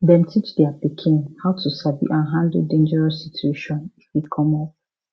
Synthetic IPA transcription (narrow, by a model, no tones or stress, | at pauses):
dɛ̃ntʰit͡ʃdɛapikʰĩñnhaʊtʰusabḭʔãnɦãndldẽnd͡ʒɛɹɔsːitʰueʃɔ̃nifwikʰɔ̃mɔp̚